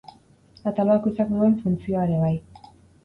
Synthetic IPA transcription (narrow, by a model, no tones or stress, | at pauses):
at̪alakusakd̪ue̞ɱfunt͡sio̞aeɾe̞β̞aj